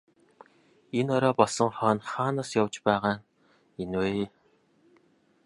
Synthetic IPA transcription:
enɔɾɔːpɔɮsɞ̆ŋχœːnχaːnaːsjawt͡ɕpæːʁaː | eno

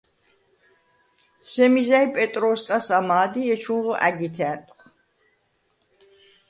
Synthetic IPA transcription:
sɛmizaipʼɛt̪ʼɾɔskʼasamaːd̪iɛt͡ʃʰunʁɔʔæɡit̪ʰɛnt̪ʼχ

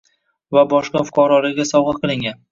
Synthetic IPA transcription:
vabɒʃqɑfʊ̥qɑɾɒlaɡʲasɒwʁɑqʰɨlˠɪŋʲan

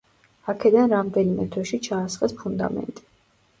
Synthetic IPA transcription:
akʰɛd̪anɾamd̪ɛnimɛt̪ʰwɛʃit͡ʃʰaːsχɛspʰund̪a̰mɛ̰nt̪ʼi̥

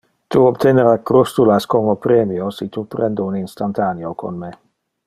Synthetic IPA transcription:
t̪uobt̪ʰeneɾakɾust̪ulaskomopɾeːmiosit̪upɾɛnd̪uuninst̪ant̪aniokʰo̰nme

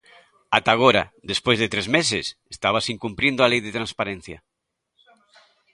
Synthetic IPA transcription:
at̪aɣ̞oɾa̰ðespojzðet̪ɾezmesɪsest̪aβ̞asiŋkumpɾind̪oalejðet̪ɾanspaɾen̟θja̰

